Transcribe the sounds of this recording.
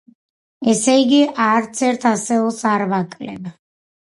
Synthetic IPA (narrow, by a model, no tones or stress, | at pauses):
ɛsɛiɡiʔaɾt̪sʰɛɾt̪ʰasɛɔsaɾvakʼlɛ̰b